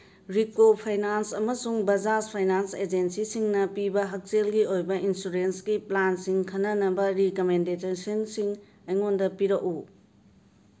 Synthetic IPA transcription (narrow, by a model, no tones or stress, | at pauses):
ɾikopʰajnansɐmɐsuŋbɐd͡ʒaspʰajnansed͡ʒensisiŋnɐpibɐɦɐk̚selɡiojbɐʔinsuɾensɡiplansiŋkʰɐnːɐnɐbɐɾikomendetesonsiŋ | ɐjŋondɐpiɾɐk̚u